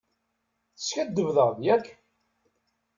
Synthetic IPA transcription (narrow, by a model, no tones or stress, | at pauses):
θə̥skæd̪ːəvðˤəʁðjækʰː